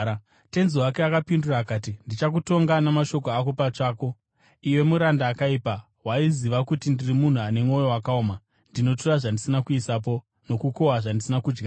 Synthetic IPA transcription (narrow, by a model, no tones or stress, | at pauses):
te̞nziwake̞akapinduraːkaːtindit͡ʃak̬uto̞ŋɡanamaʃo̞koako̞pat͡ʂaːko̞ | iwe̞muɾandaːkaipa | waiziʋakutindirimun̤uane̞mo̞jo̞wakaoːma | ndino̞turaʐandisinakuisap̬o̞ | no̞kuko̞waʐandisinakud͡ʒɡa